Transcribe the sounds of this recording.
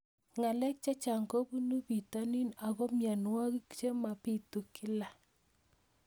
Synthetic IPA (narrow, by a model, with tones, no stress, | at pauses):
ŋa˨lɛ˦k̚t͡ʃa˦t͡ʃa˨ŋɡo˦bu˦nu˦bi˨ta˦ni˦na˨ɣɔ˦mja˨nwa˦ɣi˦kt͡ʃe˦ma˨pi˦tu˨kɪ˦la˨